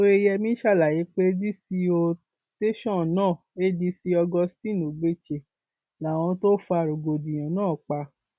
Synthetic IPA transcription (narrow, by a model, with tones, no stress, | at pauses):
o˧e˧jɛ˧mĩ˦ʃa˦˨la˨je˨˦k͡pe˦di˦si˧o˧ | te˦ʃɔ̃˦˨nãː˦˨e˦di˧si˧˦ɔ˧ɡɔ˧stĩ˦˨n˨o˨ɡ͡be˦˨t͡ʃe˧˨ | la˨w̃ɔ̃˧to˦fu˧a˨ɾo˨ɡo˨dĩ˨j̃ã˨nãː˦˨k͡pa˧